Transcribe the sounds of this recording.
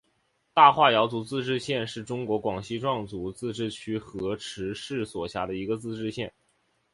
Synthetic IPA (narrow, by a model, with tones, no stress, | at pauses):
t̪a˥˧xwa˥˩jɑ˧˥ʊt͡su˧˥t͡sɹ̩˥˧ʈ͡ʂɻ̩˥˧ɕjɛ˥˧nʂɻ̩˥˩ʈ͡ʂʊ˥ŋkwɔ˧˥kwɑ˨˩ŋɕi˥˧ʈ͡ʂwɑ˥˩ŋt͡su˧˥t͡sɹ̩˥˧ʈ͡ʂɻ̩˥˩t͡ɕʰy˥xɤ˧˥ʈ͡ʂʰɻ̩˧˥ʂɻ̩˥˩swɔ˨˩ɕja̰˧˥d̪ə˧i˧˥ɡə˧t͡sɹ̩˥˧ʈ͡ʂɻ̩˥˧ɕjɛ˥˩n